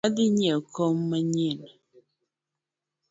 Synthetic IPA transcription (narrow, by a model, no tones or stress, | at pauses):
adiɲekʰomːəɲin